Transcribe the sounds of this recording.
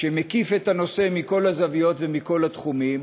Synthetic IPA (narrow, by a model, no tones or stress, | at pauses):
ʃeme̞kife̞t̪ano̞se̞miko̞lazavijo̞t̪vemiko̞lat̪χumim